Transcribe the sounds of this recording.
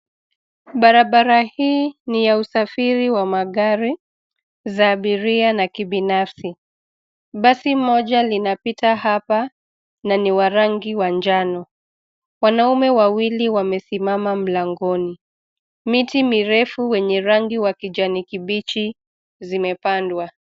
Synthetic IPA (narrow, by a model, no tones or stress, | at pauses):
ɓaɾaɓaɾahiːnijausafiɾiwamaɠaɾi | zaːɓiɾianakiɓinafsi | ɓasimɔʄalinapitahapa | naniwaɾaŋɡiwaɲd͡ʒanɔ | wanaumɛwawiliwamɛsimamam̩laŋɡɔni | mitimiɾɛfuwɛɲɛɾaŋɡiwakid͡ʒanikiɓit͡ʃi | zimɛpandwa